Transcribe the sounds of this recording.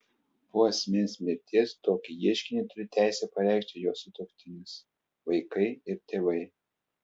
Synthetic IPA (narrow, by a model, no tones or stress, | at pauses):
poɐsʲmʲenʲsʲmʲɪɾʲt̪ʲiɛst̪oːkʲɪjiɛʃʲkʲɪnʲɛɪt̪ʊɾʲɪt̪ʲæˑɪsʲɛpɐɾʲæˑɪkʃʲt̪ʲɪjoːsʊt̪oːkʲt̪ʲɪnʲɪs | ʋɐɪkɐɪɪɾt̪ʲeːʋɐɪ